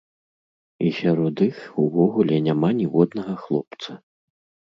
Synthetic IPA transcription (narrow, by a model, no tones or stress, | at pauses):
isʲaɾɔd̪ixuvɔɣulʲɛnʲamanʲivɔd̪nɐɣɐxlˠɔp̚t̪sɐ